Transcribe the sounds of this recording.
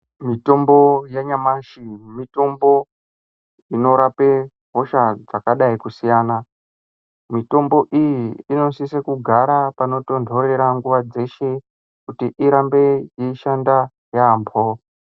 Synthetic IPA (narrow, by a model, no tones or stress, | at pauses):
mito̞mbo̞jeɲamaʃimito̞mbo̞ | ino̞ɾape | ɦo̞ʃad͡zakaɗaikusijaːna | mito̞mbo̞ʔijiːno̞nsisekuɡʱaɾapano̞to̞ndʱo̞ɾe̞ɾaŋɡuʋad͡ze̞ʃe̞ | kutiʔiɾambe̞jeiʃanda | jaːmbʱo